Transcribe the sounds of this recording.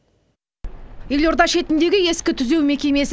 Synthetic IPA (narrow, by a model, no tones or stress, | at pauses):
je̞lʲo̞ɾd̪ɑʃe̞t̪ɪnd̪e̞ɡʲɪje̞skʲɪt̪ʰʏze̞wme̞kʲe̞mes